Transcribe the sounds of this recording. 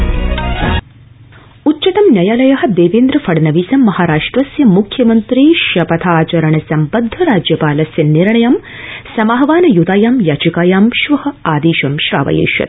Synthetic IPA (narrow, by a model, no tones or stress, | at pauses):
utːʃɐt̪ɐmnʲjɐjaːlɐjɐɦɐ̆d̪eːʋeːnd̪ɾɐfɐɽɐnɐʋiːsɐmːɐhaːɾaːʂʈɾɐsjɐmukʰjɐmɐnt̪ɾiʃɐpɐt̪ʰaːt͡ʃɐɾɐɳɐsɐmpɐd̪ʱːɐɾaːd͡ʒjɐpaːlɐsjɐniɾɳɐjɐm | sɐmaɦɐʋaːnɐjud̪aːjaːmjaːt͡ʃikaːjaːmʃʋɐhɐ̆aːd̪iːʃɐmʃɾa̰ːʋɐ̰jḛːʃjɐ̰t̪